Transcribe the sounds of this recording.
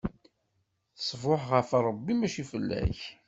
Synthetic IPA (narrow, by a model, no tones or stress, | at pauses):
θəsˤvʊħʁəfɑɾˤəbːimæʃifəlːæ̰ç